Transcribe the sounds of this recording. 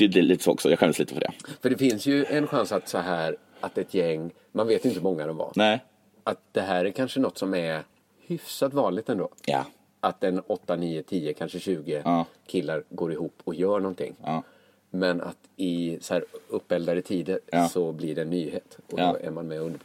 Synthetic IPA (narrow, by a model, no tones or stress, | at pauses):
ʏlɛliːt̪ə̥soːɔ̰ksɔjɑːɧɛnd̪əsliːt̪əfœɖɛ̰fœɖɛfɪnsjɵɛnɧansat̪sɔɦæːɾ | at̪ɛt̪ʰjɛŋː | manveːt̪jɪnt̪əhmɔŋːad̪ɛnva̰nɛ | at̪̚d̪̥ɛɦæːɾæɾkʰanʂənɔt̪ːsɔmæɾ | hʏfsat̪vɑːnlɪɡ̚t̪ɛnd̪oːa̰ | ʔat̪̚d̪ɛnɔt̪ːaniːət̪ʰiːəkʰanʂəɕʉ̟ːɡəkʰɪlːaɾɡoːɾɪɦuːpːɔkjœːɳɔnt̪ʰɪ̰ŋː | mɛna̰t̪ɪsɔhæːɾɵpːɛld̪aɾət̪ʰiːd̪əɾsɔblɪɖɛːnːyːheːt̪ɔ̰æ̰ɾmanmɛɵnd̪əp